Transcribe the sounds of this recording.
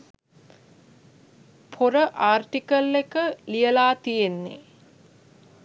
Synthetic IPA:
pʰoɾəʔaːrʈikəlːekəlijəlaːt̪ijenːḛ

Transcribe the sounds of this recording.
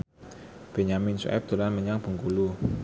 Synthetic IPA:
b̥eɲamɪnsṵʔɛ̰p̚d̪̥ṳlanməɲaŋb̥ə̤ŋkulu

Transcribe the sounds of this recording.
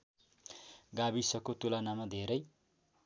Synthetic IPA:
ɡabisʌkot̪ulanamad̪ʱeɾʌj

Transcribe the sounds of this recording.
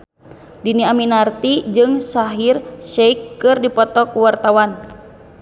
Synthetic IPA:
diniaminart̪id͡ʒɨŋsaɦirʃɛikːɨrdipɔt̪ɔkuwart̪awan

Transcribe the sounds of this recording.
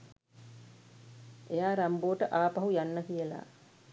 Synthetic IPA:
ʔejaːɾamboːʈəʔaːpɐɦujanːəkijəla̰

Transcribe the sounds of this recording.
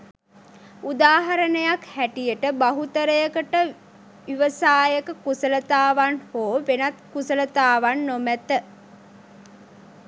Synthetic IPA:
ud̪aːɦaɾənəjakhæʈijəʈəbaɦut̪əɾəjəkəʈə | ʋiʋəsaːjəkəkusələt̪aːʋanhoːʋenat̪̚kusələt̪aːʋanːomæt̪ə

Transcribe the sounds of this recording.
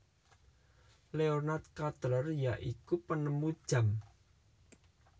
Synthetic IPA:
leonat̪̚kat̪əɾərjaʔikupənəmud̥ʒ̥a̤m

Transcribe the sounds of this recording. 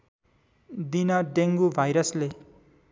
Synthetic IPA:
d̪inʌɖeŋɡubʱajɾʌsle

